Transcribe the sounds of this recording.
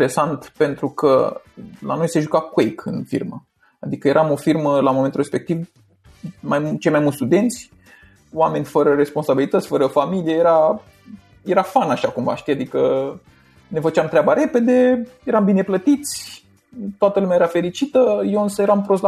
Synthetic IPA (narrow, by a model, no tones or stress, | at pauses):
ɾesant̪pe̞nt̪ɾukə̰ | la̰no̞jse̞ʒukakwejkʰɨ̰nfḭrmə̰ | ad̪ikəje̞ɾʔamo̞firməlamoment̪uɾre̞spek̚t̪iv | majt͡ʃe̞jmajmult̪st̪ud̪e̞nt̪sʲ | oame̞nʲfəɾəɾe̞spo̞nsabilit̪ət̪sʲfəɾəfamiliejeɾa | je̞ɾafanaʃakumva̰ʃt̪ijad̪ikə | ne̞fət͡ʃamt̪ɾeabaɾe̞pe̞d̪e̞jeɾambine̞plət̪it̪sʲ | t̪oat̪əlumjajeɾafe̞ɾit͡ʃit̪əjoɨnsəjeɾampɾos̬